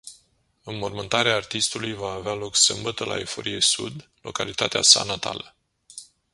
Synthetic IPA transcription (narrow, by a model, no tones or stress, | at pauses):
ɨnmo̞rmɨnt̪aɾeaːrt̪ist̪ulujvaːvealo̞ksɨmbət̪əlʔa̰ifo̞̰ɾijesṵd̪lo̞̰kalit̪at̪ea̰sa̰nat̪a̰lə